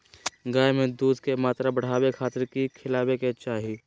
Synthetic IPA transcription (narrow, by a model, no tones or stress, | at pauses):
ɡaːjmẽd̪uːd̪ʱkemaːt̪ɾabəɽ̤aːwekʰaːt̪əɾkikʰɪlaːbeket͡ʃaːɦi